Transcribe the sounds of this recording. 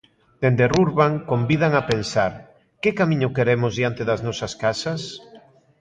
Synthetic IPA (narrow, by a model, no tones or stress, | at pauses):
d̪̥end̪eruɾβaŋkombið̞aŋapensaɾ | kekamĩɲʊkeɾemʊzðiant̪eðɐznɔsaskasas